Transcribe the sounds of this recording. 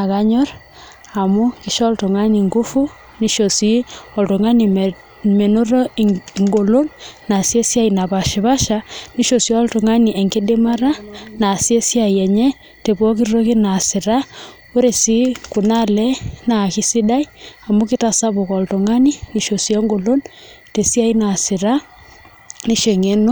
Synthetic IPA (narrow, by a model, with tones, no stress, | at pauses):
a˨ka˨ɲɔ˦r | a˨mu˦ki˦ʃɔ˦lto˨ŋa˦ni˨ŋɡu˦fu˦ | ni˦ʃo˨si˦ɔ˨lto˨ŋa˦ni˨ | me˨no˦ɾo˦ŋɡo˨lo˦nna˨sje˦sja˦ina˨pa˨ʃi˨βa˦ʃani˦ʃo˨sjɔ˦ltu˨ŋa˦ni˨ʔe˨ŋɡe˦de˦ma˦ɾa˦na˨sje˦si˦a˨i˨ɛ˨ɲɛ˦ | te˨bɔ˦k̬iɾɾo˦ki˦na˨sɪ˨ɾa˦ | o˦ɾe˨si˦ku˨na˦lɛ˦na˨ki˦si˦da˦i˦a˨mu˦ki˦ta˨sa˦bo˨kɔ˨lto˨ŋa˦ni˦ni˨ʃo˨sjɛ˦ŋɡo˨lo˦n | te˨si˦a˦i˦na˨sɪ˨ɾa˦ | ni˦ʃe˨ŋe˦no˦